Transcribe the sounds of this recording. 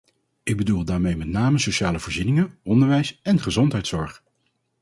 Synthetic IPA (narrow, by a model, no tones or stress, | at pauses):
ɪɡ̚bədulˠdaːɹmejmɛtnaːməsowʃaːləvʊːɹzinɪŋəʔɔndəɹʋɛjsɛnχəzɔntɦɛjtsɔɹχ